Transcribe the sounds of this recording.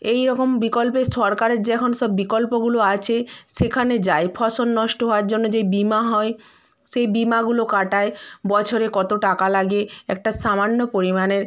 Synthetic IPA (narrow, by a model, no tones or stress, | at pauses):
ejɾɔkombikolpeʃɔɾkaɾeɾd͡ʑeɛkʰonoʃɔbːikolpoɡuloat͡ɕʰeʃekʰaned͡ʑaepʰɔsonːɔʃʈoɦɔaɾd͡ʑonːod͡ʑejbimaɦɔe | ʃejbimaɡulokaʈaebɔt͡ɕʰoɾekɔt̪oʈakalaɡeɛ̰k̚ʈaʃamanːopoɾimaneɾ